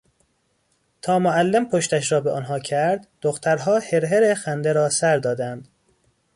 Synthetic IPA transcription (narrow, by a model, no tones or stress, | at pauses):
t̪ʰɒːmoælːempʰoʃt̪æʃɾɒːbeʔɒnɦɒːcʰæɾd̪d̪̥oxt̪ʰæɾɦɒːheɾɦeɾexænd̪eɾɒːsæɾd̪ɒːd̪ænd̪̥